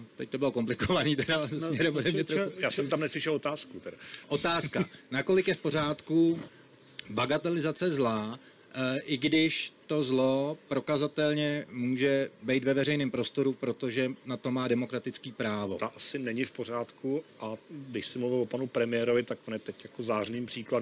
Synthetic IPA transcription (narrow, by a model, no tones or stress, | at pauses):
t̪ɛc̚t̪o̞bɪlo̞ko̞mplɪkovaniːt̪ɛɾazɛssmɲɛɾɛmbodɛmɲɛt̪ɾoxujaːsɛmt̪amnɛslɪʃɛlot̪aːskut̪ɛɾaʔo̞t̪aːskanako̞lɪkjɛfpo̞ɾ̝aːt̪ku | baɡat̪ɛlɪzat͡sɛzlaː | ʔɪɡdɪʃt̪o̞zlo̞pɾo̞kazat̪ɛlɲɛmuːʒɛbɛjt̪vɛvɛrɛjnɪːmpɾo̞st̪o̞ɾupɾo̞t̪o̞ʒɛnat̪o̞maːdɛmokɾat̪ɪt͡skiːpɾaːvo̞̰t̪aʔasɪnɛɲɪfpoɾ̝aːt̪kuʔaɡdɪʃsɪmluvɪlopanupɾɛmɪjɛːɾovɪt̪akonjɛt̪ɛcjakozaːrniːmpr̥iːklad